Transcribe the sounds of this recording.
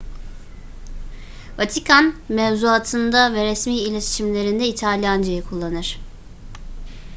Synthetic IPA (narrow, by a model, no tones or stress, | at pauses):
vat̪ʰikʰanmɛvzuat̪ʰɯnd̪avɛɾɛsmiːilʲet̪ʰi̥ʃimlʲe̞ɾind̪ɛit̪ʰalʲjand͡ʒajikʰulˠːanɯɾ̥